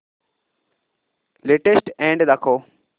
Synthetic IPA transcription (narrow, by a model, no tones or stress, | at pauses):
leːʈesʈẽːɳɖd̪akʰoː